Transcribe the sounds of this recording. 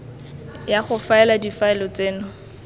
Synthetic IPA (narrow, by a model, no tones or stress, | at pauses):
jaχʊfaɛladifaɛlɔt͡seːnʊ